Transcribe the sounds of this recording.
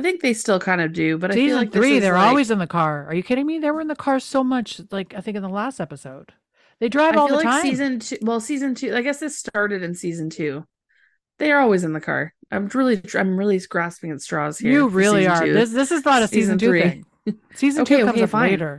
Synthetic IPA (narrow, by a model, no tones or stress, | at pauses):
aɪθɪ̃ŋk̚ðeɪstɪlˠkʰãɪ̃ndʌdʉbʌɾaɪizlɨ̃nθɹiðə˞ɔlˠwizɨ̃nðɨkʰɑɹə˞jɨkʰɨɾ̃ɪmĩnðəwə˞ɨ̃nðɨkʰɑɹsoʊmʌt͡ʃlaɪkaɪθɪ̃ŋkɨ̃nðəlæstɛpəsoʊd̪̥̚ | ðeɪdɹaɪvvɔlˠlðəlãɪ̃izɨ̃ntʰʉwɛlˠsizɨ̃ntʰʉaɪɡɛsðɨstɑɹɾɨɾɨ̃nsizɨ̃ntʰʉ | ðeɪə˞ɔlˠwizɨ̃nðɨkʰɑ̰ɹʔã̰ɪ̃mɹɪlˠi̥ã̰ɪ̃mɹɪlˠisɡ̥ɹæspɪ̃ŋɨtstɹ̥ɔ̰z̥hijɹɨɹɪlˠiə˞ʉðɪsðɪsɨznəɾɨsizɨ̃n̩tʰʉɹɪ̃ŋ | siz̃ntʰʉokʌ̃mzfeɪɾə˞